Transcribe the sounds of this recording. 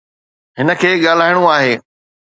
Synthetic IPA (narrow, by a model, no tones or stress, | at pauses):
ɦɪnə̆kʰeːɠaːl̤aːɪɽ̃uaːɦeː